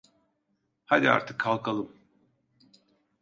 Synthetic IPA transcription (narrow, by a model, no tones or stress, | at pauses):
had̪ia̰ɾt̪ʰɯkʰːalˠkʰalˠɯm